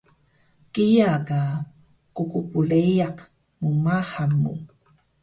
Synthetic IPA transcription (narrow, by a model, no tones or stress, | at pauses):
kijaka | kukupuɭejaq | mumahamːṵ